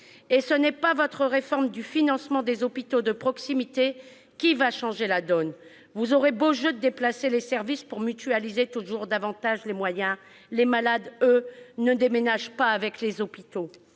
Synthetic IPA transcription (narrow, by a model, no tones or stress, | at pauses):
esənɛpavɔt̪χəʁefɔʁmd̪yfinɑ̃smɑ̃d̪ezɔpit̪od̪əpχɔksimit̪e | kʲivaʃɑ̃ʒelad̪ɔn | vuzɔʁeboʒød̪əd̪eplaselesɛʁvispuʁmyt̪yalizet̪uʒuʁd̪avɑ̃t̪aʒlemwajɛ̃ | lemalad̪ønəd̪emenaʒpaːvɛklezɔpit̪o